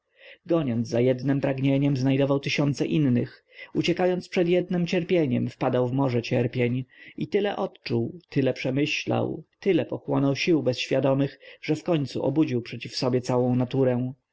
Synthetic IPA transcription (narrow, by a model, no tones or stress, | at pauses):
ɡɔɲɔnd̪zzajɛd̪nɘmpɾaɡɲeɲɛmznajd̪ɔvawt̪ɘɕɔnt̪sɛʔinːɘx | ut͡ɕɛkajɔnt̪spʂɛd̪jɛd̪nɛmt͡ɕɛɾpʲjeɲɛmfpad̪awvmɔʐɛt͡ɕɛɾpʲjeɲit̪ɘlɛʔɔt̪t͡ʂuwt̪ɘlɛpʂɛmɘɕla̰wt̪ɘlɛpɔxwɔnɔwɕiwbɛsɕfʲjad̪ɔmɘxʐ̥ɛfkɔɲt̪sṵʔɔ̰bud͡ʑiwpʂɛt͡ɕifsɔbʲjɛt̪sawɔ̃w̃nat̪uɾɛ